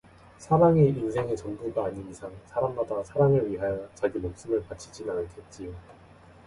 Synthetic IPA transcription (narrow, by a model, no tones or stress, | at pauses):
sʰaɾaŋiinsʰe̞ŋe̞t͡ɕʌnbuɡaːɲiisʰaŋsʰaɾammadasʰaɾaŋɯɭɥiɦajʌt͡ɕaɡimok̚s͈ɯmɯɭpat͡ɕʰid͡ʑinanɯntet͡ɕ͈io